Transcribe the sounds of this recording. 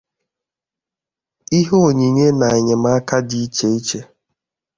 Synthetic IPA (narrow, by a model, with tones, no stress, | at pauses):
i˦ɦo˦o˨ɲi˨ɲe˦na˨e˨ɲe˨m̩a˦ka˦di˦i˦t͡ʃe˦i˦t͡ʃe˦